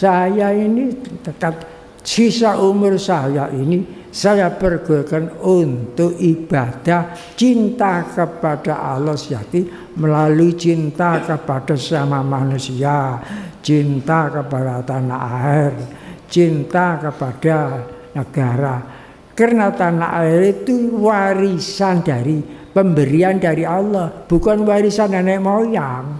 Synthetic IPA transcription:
sajainit̪ət̪ap̚ | sisaʔumʊrsajaʔini | sajapərɡ̥okənunt̪ʊʔib̥ad̪̥ah | t͡ʃint̪akəpad̥aʔalɔhsjat̪i | məlalut͡ʃint̪akəpaɖ̥a̤samamanusiat͡ʃint̪akəpadat̪anaʔaɪrt͡ʃint̪akəpad̥anəɡ̥aɾa | karnat̪anaʔaɪɾit̪uwaɾisand̥a̤ɾi | pəmbəɾiandaɾialːɔhb̥ukanwaɾisanɛnɛmojaŋ

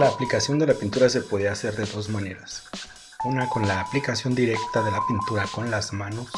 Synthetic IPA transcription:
laːplikasjo̞nd̪e̞lapint̪uɾase̞po̞ðiaːse̞ɾðe̞ðo̞zmãne̞ɾas | unako̞nlaːplikasjo̞nd̪iɾe̞kt̪aðe̞lapint̪uɾako̞nlazmãnus

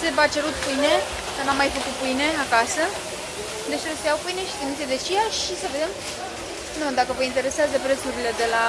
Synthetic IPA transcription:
sevat͡ʃe̞ɾut̪pujne̞ | kanamːajfəkut̪̚pujne̞akasə | d̪e̞t͡ʃɾest̪ejawpujne̞ʃi̥t̪emised̪et͡ʃijaʃisəve̞d̪em | nud̪akəvəint̪eɾe̞seazəpɾet̪suɾile̞d̪e̞la

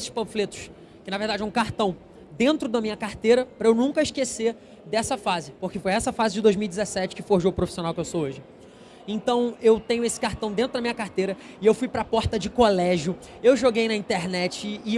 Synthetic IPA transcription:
sɪ̥pɐ̃flet̪ʊ̥ʃ | kɪnɐveɾd̪ad͡ʒɪɛũkaɾt̪ɐ̃w̃ | d̪ẽnt̪ɾʊd̪ɐmĩɲɐkaɾt̪ejɾɐpɾɐewnũkɐɪʃkeseɾ | d̪ɛsɐfazɪpoχkefojɛsɐfazɪd͡ʒɪd̪ozmiwid͡ʒɪzɛsɛt͡ʃɪ̥kɪfohʒoʊpɾofisionawkɪewsooʒɪ | ẽnt̪ɐ̃w̃ewt̪ẽɲʊesɪ̥kaɾt̪ɐ̃w̃d̪ẽt̪ɾʊd̪ɐmĩɲɐkaɾt̪ejɾɐ | ɪewfujpɾɐpɔɾt̪ɐd͡ʒɪkolɛʒjʊ | ewʒoɡejnɐĩnt̪eɾnɛt͡ʃɪː

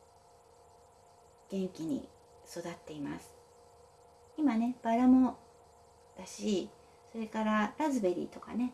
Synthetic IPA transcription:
ɡ̥ẽ̞ŋkʲiɲ̟ḭ | so̞d̪at̪ːe̞imasɨ̥ | imane̞b̥aɾamo | d̪̥aɕi | so̞ɾe̞kaɾaɾazɨbe̞ɾʲḭt̪o̞ka̰ne̞

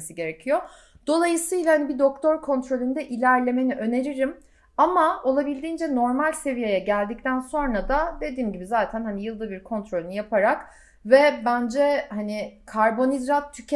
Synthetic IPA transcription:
siɟe̞ɾecʰijo | d̪̥o̞lˠajɯsɯjlˠahanibid̪o̞k̚t̪ʰo̞ɾkʰo̞nt̪ɾo̞lʲynd̪ɛʔilʲæɾlʲe̞me̞niʔø̞ne̞ɾiɾim | amao̞lˠabilʲd̪iːnd͡ʒɛno̞ɾmalʲse̞vijejɛɟælʲd̪ic̚t̪ʰænso̞nɾad̪ad̪e̞d̪iːmɟibizaːt̪ʰænhanijɯlˠd̪ɯbiɾkʰo̞nt̪ɾolʲynɯjapʰaɾak | vɛbænd͡ʒɛhanikʰaɾbo̞nizɾat̪ʰːycʰ

